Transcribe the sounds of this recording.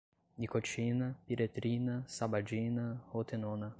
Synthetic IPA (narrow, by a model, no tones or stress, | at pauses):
nikot͡ʃinɐpiɾet̪ɾinɐsabad͡ʒinɐhot̪enonɐ